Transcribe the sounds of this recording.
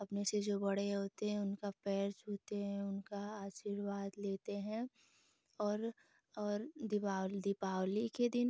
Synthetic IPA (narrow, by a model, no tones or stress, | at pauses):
ɐpnesed͡ʒoːbɐɽ̤eɦoːt̪eɦɛ̃ʊnkapɛːɾt͡ʃuːt̪eɦɛ̃ʊnkaaːʃiɾʋaːd̪leːt̪eɦɛ̃ | ɔːɾ | ɔːɾd̪ɪpaːd̪ɪpaːwliked̪ɪn